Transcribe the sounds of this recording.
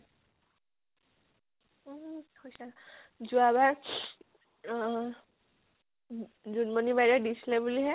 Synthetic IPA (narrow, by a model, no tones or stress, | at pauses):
hojsazuaβaɹ | zunbonibajɹɔdislɛbuliɦɛ